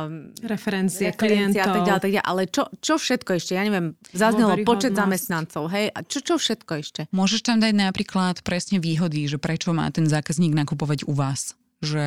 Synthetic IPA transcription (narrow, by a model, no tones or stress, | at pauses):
ɾɛfɛɾɛnt͡siɛkliɛɛnt͡siat̪aɡɟalat̪aɡ̚ɟa̰ʔa̰lɛt͡ʃɔt͡ʃɔfʃɛt̪kɔɛʃcɛjaɲɛʋɪɛmzazɲɛlɔpɔt͡ʃɛd̪zamɛst̪nant͡sɔʊɦɛjʔa̰t͡ʃɔt͡ʃɔfʃɛt̪kɔɛʃcɛmʊɔʒɛʃt̪amd̪aɟnapɾiːklat̪pɾɛsɲɛʋiːɦɔd̪iʒɛpɾɛt͡ʃɔma̰ːt̪ɛnzaːkazɲiːɡnakupɔʋaɟuʋaːs | ʒɛ